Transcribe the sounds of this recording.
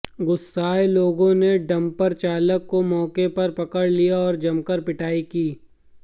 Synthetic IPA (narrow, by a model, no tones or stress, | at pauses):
ɡʊsːaːeloːɡõneɖɐ̃mpɐɾt͡ʃaːləkːomɔːkepɐɾpɐkəɽlijaɔːɾd͡ʒɐmkəɾpɪʈaːikiː